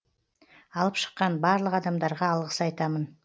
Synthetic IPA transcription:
ɑlˠəpʃə̥qːɑnbɑɾlˠəqɑd̪ɑmd̪ɑɾʁɑːlˠʁəsɑjt̪ɑmən

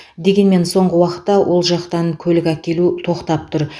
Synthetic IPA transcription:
d̪e̞ɡʲe̞nme̞nso̞ɴʁəwɑqə̥t̪ːɑwʔo̞lˠʒɑqt̪ɑŋkʲʰɵlɪkʲækʲe̞lut̪ʰo̞qt̪ɑp̚t̪ʰʊɾ

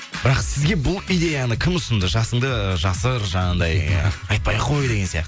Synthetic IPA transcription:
bɪɾɑqsɪzɡʲe̞bʊlˠijd̪e̞janəkʲʰɪmʊsənd̪əʒɑsəɴd̪əʒɑsəɾʒɑɴɑnd̪ɑjɑjt̪̚pɑjqʰo̞jd̪e̞ɡʲesijɑ̰qt̪ə

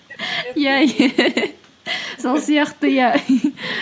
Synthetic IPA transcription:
jaj | solˠsijɑqt̪əja

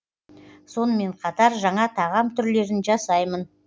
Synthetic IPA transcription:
so̞nəme̞ɴqʰɑt̪ɑɾʒɑɴɑt̪ʰɑʁɑmt̪ʰʏɾle̞ɾɪnʒɑsɑjmən

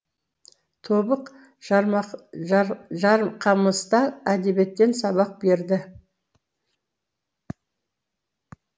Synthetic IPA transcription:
t̪ʰo̞bəq | ʒɑɾqʰɑməst̪ɑæd̪e̞be̞t̪ːe̞nsɑbɑq̚be̞ɾd̪ɪ

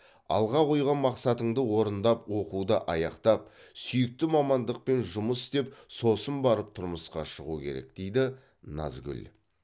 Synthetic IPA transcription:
ɑ̰lˠʁɑqojʁɑnmɑqsɑt̪əɴd̪əwo̞ɾənd̪ɑpwo̞qud̪əʔɑjɑqt̪ɑp̚sʏjɪk̚t̪ɪmɑmɑnd̪əq̚pe̞nʒʊməst̪e̞p̚sosəmbɑɾəp̚t̪ʰʊɾməsqɑʃəʁukʲʰe̞̰ɾe̞̰kd̪̥e̞jd̪ɪ | nɑ̰zɡʲʏ̰l

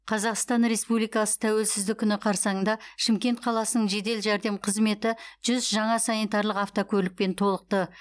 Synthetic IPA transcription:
qʰɑzɑqst̪ɑnɾe̞spublijkɑsə̥t̪ʰæwe̞lsɪzd̪ɪkʲʰːʏnɪqʰɑɾsɑənd̪ɑʃɪmkʲe̞nt̪̚qʰɑlˠɑsənəɴʒe̞d̪e̞lʒæɾd̪e̞mqʰəzme̞t̪ɪʒ̥ʏzʒɑɴɑsɑnit̪ɑɾlˠəqɑft̪okʲʰɵɾlɪk̚pe̞nt̪ʰo̞lˠəq̚t̪ə

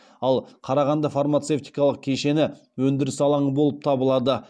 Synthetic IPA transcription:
ɑlˠqʰɑɾɑʁɑnd̪ɑfaɾmat̪se̞ft̪ijkɑlˠəq̚kʲʰe̞ʃe̞nɪ | wɵnd̪ɪɾɪsɑlˠɑɴbo̞lˠəp̚t̪ʰɑbəlˠɑd̪ə

